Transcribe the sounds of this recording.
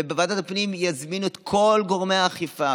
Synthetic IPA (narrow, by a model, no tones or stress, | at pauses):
ebevad̪atapnimjazminuet̪kʰo̞lɡo̞ʁmehaχifa